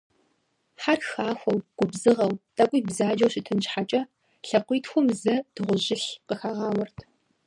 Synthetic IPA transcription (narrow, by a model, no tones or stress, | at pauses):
ħarxaːxʷɔwɡ̥ʷʊbzɨʁɐwtʼɐkʷʼijbzaːd͡ʒɐwɕɪtʰɨnt͡ʃħat͡ʃʼɐ | ɬɐqʷiːtxʷʊmzɐd̥ɨʁʷʊʑɪɬqəxaːʁɑːwɐrtʰ